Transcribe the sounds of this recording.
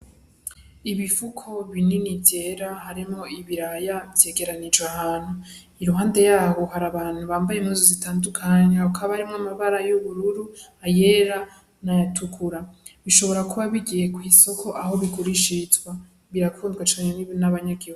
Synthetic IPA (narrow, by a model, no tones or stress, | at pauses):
iβifukʰo̞βininibjeɾahaɾimŋo̞iβiɾajavje̞ɡe̞ɾanid͡ʒɡahaːn̥hu | iɾuɦaːnde̞jaːβo̞haɾaβaːn̥huβaːmbajemuzozitʰaːndukʰaɲeakʰaβahaɾimŋamaβaɾajuβuɾuɾu | aje̞ɾa | najatʰukʰuɾa | βiʃo̞βo̞ɾakuβaβiɡije̞kwiːso̞kʰo̞ʔaho̞βikuɾiʃizwa | βiɾakʰuːndɡwat͡ʃaɲeniβonaβaɲaɡihu